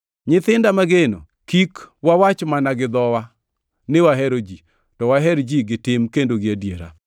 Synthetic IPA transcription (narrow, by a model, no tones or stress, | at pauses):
ɲɪt̪ɪndamaɡeno̰ | kikwawat͡ʃmanaɡɪd̪ɔwa | nɪwaɦɛɾod͡ʒi | tɔwaɦɛɾd͡ʒiɡɪtɪmkendoɡɪadjeɾa̰